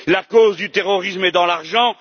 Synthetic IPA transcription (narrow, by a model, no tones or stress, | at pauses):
lakozd̪yt̪eʁɔʁismɛd̪ɑ̃laʁʒɑ̃